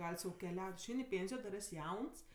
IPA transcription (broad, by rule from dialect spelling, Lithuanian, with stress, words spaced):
ˈɡɐlʲ sɐʊ kʲɛˈlʲɛʊtʲ ɪʃʲˈɛɪnʲ ɪ ˈpʲeːnʲsʲɪjoː dɐr ˈɛsʲ ˈjɛʊns